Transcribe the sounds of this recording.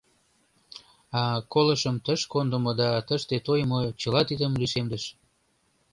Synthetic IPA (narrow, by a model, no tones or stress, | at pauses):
ɑkoləʃəmt̪əʃkond̪ə̆mod̪ɑt̪əʃt̪et̪ojmot͡ɕəlɑt̪id̪əmliʃemd̪əʃ